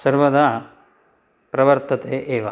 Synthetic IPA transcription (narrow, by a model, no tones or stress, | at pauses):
sɐɾʋɐd̪a | pɾɐʋɐɾt̪ɐt̪eːʔeːʋɐ